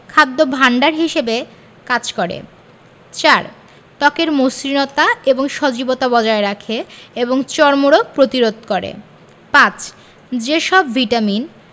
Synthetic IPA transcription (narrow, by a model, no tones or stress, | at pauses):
kʰad̪ːobʱaɳɖaɾɦiʃebe | kad͡ʑkoɾḛ | t͡ɕaɾ | t̪ɔkeɾmosɾinɔt̪aeboŋʃod͡ʑibot̪abɔd͡ʑaeɾakʰeeboŋt͡ɕɔɾmoɾopɾot̪iɾod̪ʱkoɾḛ | pãt͡ɕ | d͡ʑeʃɔbviʈamin